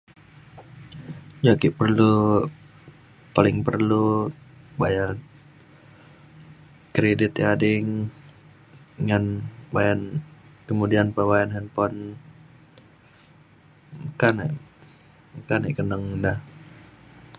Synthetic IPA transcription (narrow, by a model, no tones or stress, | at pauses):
d͡ʒakiʔpərlu | palɪŋpərlu | baja | kɾedɪt̪jadɪŋ | ŋanbajankəmudianpəwajanɦɛnpɔn | kana̰ʔ | kanɛʔkənəŋdah